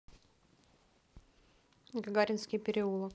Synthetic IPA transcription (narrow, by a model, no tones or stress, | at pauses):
ɡɐɡaɾʲɪnskʲɪjpʲɪɾʲɪulˠə